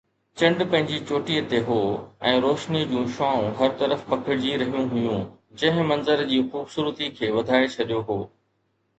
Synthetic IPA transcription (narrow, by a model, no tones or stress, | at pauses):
t͡ɕɐ̃ɳɖpɐ̃ɦɪ̃ɲd͡ʑit͡ɕoːʈiːət̪eɦoːɛ̃ːɾoːʃnid͡ʑũːʃaːũɦɐɾt̪ɐɾəfpɐkʰɪɽd͡ʑiɾɐɦijũɦʊjũ | d͡ʑɐ̃ɦɪ̃mɐ̃nzəɾd͡ʑiːxuːbsuːɾt̪ikʰeːʋɐd̪ʱaːet͡ɕʰɐɗijoɦoː